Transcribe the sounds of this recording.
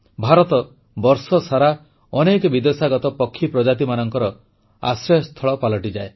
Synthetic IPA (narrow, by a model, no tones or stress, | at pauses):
bʱaɾɔt̪ɔ | bɔɾsɔsaɾa | ɔnekɔbid̪esaɡɔt̪ɔpɔkʰːipɾɔd͡ʒat̪̬imanɔŋkɔɾɔ | a̰sɾɔjst̪ʰɔɭɔpalɔʈid͡ʒae